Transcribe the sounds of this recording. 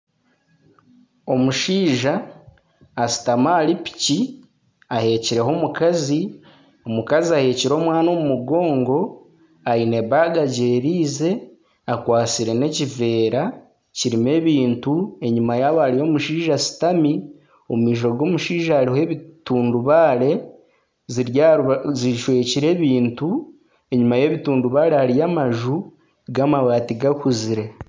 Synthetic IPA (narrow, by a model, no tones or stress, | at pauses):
o̞muʃiːʒaː | si̥tamalipi̥ci | ahe̞ːciɾe̞ɦo̞mukazi | o̞mukaziahe̞ːciɾo̞ːmwaːno̞ːmumuɡo̞ːŋɡo̞ | aine̞βaɡaɟeːɾiːze̞ | akwaːt͡siɾe̞ne̞cive̞ːɾa | ciɾime̞ːβiːntue̞ɲumajaːβaɾijo̞muʃiːʒasi̥tami | omumiːʃo̞ɡo̞ːmuʃiːʒaːɾiɦe̞βituːnduβaːɾe̞ | z | ziʃwe̞ːciɾe̞ːβiːntu | e̞ɲumaje̞βituːnduβaːɾeaɾijamaʒu | ɡamawaːtiɡakuziɾe